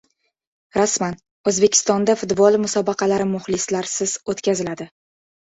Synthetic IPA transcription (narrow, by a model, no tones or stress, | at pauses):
ɾasman | ozbe̞kʲʰɪ̥st̪ɒnd̪afʊt̪bɒlˠmʊsɒbɑqʰɑlaɾɪmʊhlɪslaɾsɪz̥ot̪kʲazɪlad̪ɪ